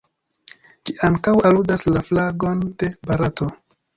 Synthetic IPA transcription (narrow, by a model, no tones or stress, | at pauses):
d͡ʒiʔaŋkawaludaslaflaɡo̞nd̥e̞baɾato̞